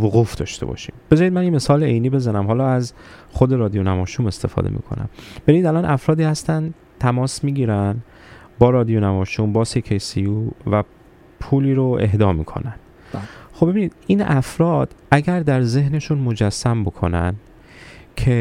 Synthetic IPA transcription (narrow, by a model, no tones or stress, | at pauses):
voɣuːfd̪ɒ̰ːʃt̪e̞bɒ̰ʃḭːmb̥e̞zɒːɾid̪mænjeme̞sɒːleejniːbe̞zænæmhɒːlɒːæz | xod̪e̞ɾɒːd̪ijonæmɒːʃume̞st̪e̞fɒ̰ːd̪ḛmḭkʰo̰næ̰mb̥eɾiːd̪ælɒːnʔæfɾɒːd̪iːhæst̪æn | t̪ʰæmɒːsmiːɟiːɾæn | bɒːɾɒːd̪ijonæmɒːʃuːmbɒːsekʰejsijuːvæ | pʰuːliːɾoe̞̰ɦd̪ɒːmḭːkʰo̞̰næn | xobeiniːd̪iːnæfɾɒːd̪̥ʔæɟæɾd̪æɾze̞hne̞ʃunmo̞d͡ʒæsːæmbo̞kʰo̞̰næn | cʰe